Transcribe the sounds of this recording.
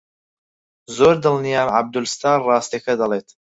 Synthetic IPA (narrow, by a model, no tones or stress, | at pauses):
zoːɾd̪ɨlnijaːmʕab̚d̪ulst̪ʰaːnrɑːst̪ekʰɐd̪ɐlˠeːt̪ʰ